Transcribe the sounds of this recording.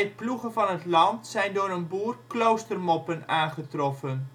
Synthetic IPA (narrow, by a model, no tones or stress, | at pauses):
ət̚pluχəfɑnətlɑntsɛjndʊːɾənbuːrklowstərmɔpənaːnχətrɔfən